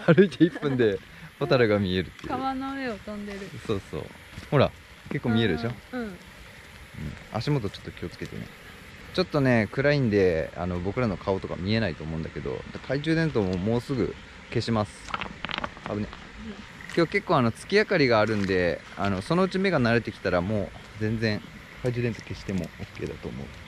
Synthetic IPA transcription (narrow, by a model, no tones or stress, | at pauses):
aɾɯ̟it̪eipːɯ̟̃nd̪e̞ | pot̪aɾɯɡamʲie̞ɾɯ̟t̪ːeiaβanomeot̪ãnd̪eɾɯso̞ːso̞̰ː | ho̞ɾa̰ | ke̞kːoːmʲie̞ɾɯ̟d̪eɕo̞ɯ̃ | ɯ̟̰̃ɴa̰ɕimo̞t̪̬o̞t͡ɕo̞̥t̪ːo̞̥kʲio̞t͡sɨ̥ke̞t̪enḛ | t͡ɕo̞t̪ːo̞ne̞kɯ̟ɾaĩnd̪e̞a̰no̞bo̞kɯ̟ɾano̞kʰaot̪o̞ka̰mʲie̞nait̪oːmo̞ɯ̃nd̪aked̪o̞̰d̪akʰaiʑɨːd̪ẽ̞nt̪omoːmo̞ːsɨɡɯ̟̰ | ke̞ɕimasɨ̥ | aɯ̟ne | kʲo̞ke̞kːoːano̞t͡sɨ̥kʲiakaɾʲiɡaːɾɯ̟̃nd̪e̞ano̞so̞no̞ɯ̟t͡ɕime̞ɡanaɾe̞t̪e̞kʲi̥t̪aɾamoː | d͡zẽ̞nd͡zẽ̞ŋ | kaid͡ʑɨːd̪e̞nt̪o̞̥ke̞ɕi̥t̪e̞mo̞̰okːe̞ːd̪at̪o̞ːmo̞̰ɯ̟